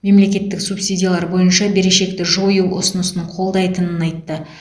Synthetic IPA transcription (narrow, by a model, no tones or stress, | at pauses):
me̞mle̞kʲe̞t̪ːɪksupsijdʲijalˠɑɾbo̞jənʃɑbe̞ɾe̞ʃe̞k̚t̪ɪʒo̞juwʔo̰sənəsənəɴqʰo̞lˠd̪ɑjt̪ənənɑjt̪ːə